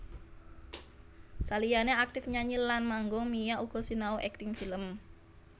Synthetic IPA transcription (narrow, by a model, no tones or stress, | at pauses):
salijaneak̚t̪ɪfɲaɲilːanmaŋɡɔmijaʔuɡ̥ɔ̤sinauʔɛk̚t̪ɪŋfiləm